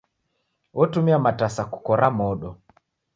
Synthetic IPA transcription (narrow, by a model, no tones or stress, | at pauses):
wʔɔtumiamatasaku̥kɔɾamɔɗɔ